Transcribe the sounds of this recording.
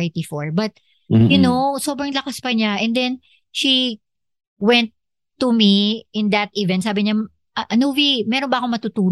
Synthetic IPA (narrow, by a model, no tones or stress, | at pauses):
ɪt̪ifɔɹbɐt̪̚ | jʊno̞so̞bɾɐŋlɐkɐspɐɲaʔɛnd̪ɛn | ʃi | wɛ̃nt̪ː | umiʔɪnd̪ɐt̪ivɛ̃nsaːbɪɲa | ʔɐʔɐnovimɛɾonbɐʔɐkomɐt̪ut̪uːl